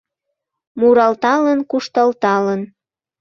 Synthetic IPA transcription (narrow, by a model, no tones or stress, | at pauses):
muɾɑlt̪ɑlənkuʃt̪ɑlt̪ɑlən